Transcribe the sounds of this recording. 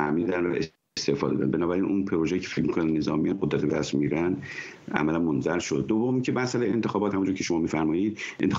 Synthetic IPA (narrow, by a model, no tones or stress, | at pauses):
æmiːd̪ænvæ̰ʔe | st̪e̞fɒ̰ːd̪ɒ̰ːd̪æ̰nbe̞nɒːbæɾiːnʔunpʰeɾoʒejiːcʰefelmikʰonæne̞zɒ̰ːmijɑnɡod̪ɾæt̪ʰebed̪æst̪miːɾænd̪æ̰mælænmonzæɾʃod̪̚ːovːomicʰemæsælejeent̪ʰe̞xɒːbɒt̪hæmund͡ʒuːɾkcʰeʃo̞mɒːmiːfæɾmɒːjiːd̪̥ʔent̪e